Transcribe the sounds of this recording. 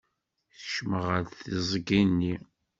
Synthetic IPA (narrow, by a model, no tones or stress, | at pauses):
θəʃməʁəɾθizˤɡinːi